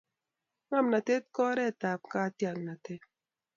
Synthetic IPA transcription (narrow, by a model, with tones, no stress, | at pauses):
ŋa˦˨mna˨te˦t̚kɔ˦ɾɛ˦˨ta˨p̚ka˦tja˨nna˨te˦